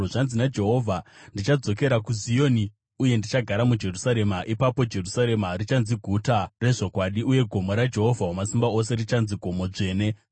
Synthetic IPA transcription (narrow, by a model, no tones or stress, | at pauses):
ʐanzinad͡ʒe̞ɦo̞vʱandit͡ʃad͡zo̞k̬e̞ɾakuzio̞ːni | uje̞ndit͡ʃaɡʱaɾamud͡ʒe̞rusaɾe̞maʔipapo̞d͡ʒe̞rusaɾe̞marit͡ʃanziɡʱutare̞ʐo̞kwaɗiuje̞ɡʱo̞mo̞ɾad͡ʒe̞ɦo̞vʱaɦomasimbao̞s̬e̞rit͡ʃanziɡʱo̞mo̞ʐe̞ːne̞